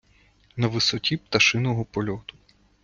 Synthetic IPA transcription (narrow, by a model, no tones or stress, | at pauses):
nɐʋɪsɔtʲip̚t̪ɐʃɪnɔɦɔpɔlʲɔt̪ʊ̥